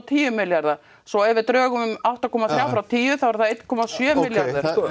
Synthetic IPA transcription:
t̪ʰiːjʏmːɪljaɾða | sɔɛɾvɪɾt̪ɾœːɣʏmʏmawht̪akʰɔːmaθjaːwfɾawt̪ʰiːjʏθavɾ̥θaðejt̪kʰɔmasjœːmɪljaɾðʏɾ

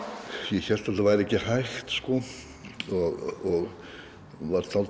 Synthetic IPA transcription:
jɛçɛl̥t̪at̪ːavajɾɛcːɪhajxt̪skɔ | ɔɣɔɣ | vaɾt̪ʰalt

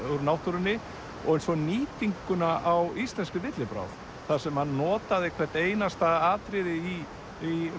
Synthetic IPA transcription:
ʏɾnawht̪uɾɪnːɪ | ɔ̰ɣɛjnsvɔniːt̪iŋkʏnaʔawist̪lɛnskʏvɪt̪lɪpɾa̰ːwð | θasɛmhanːɔːt̪aðɪkʰvɛɾ̥t̪eːjnast̪aaːt̪ɾɪðɪi | i

